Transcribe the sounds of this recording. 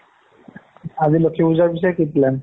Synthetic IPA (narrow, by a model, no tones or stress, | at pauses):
azilokʰibuzaɹbis̬ɔjkiplɛn